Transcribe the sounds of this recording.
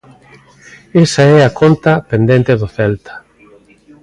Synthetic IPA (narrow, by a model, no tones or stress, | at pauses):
esaɛakont̪ɐpend̪ent̪eðʊθɛlt̪ɐ̥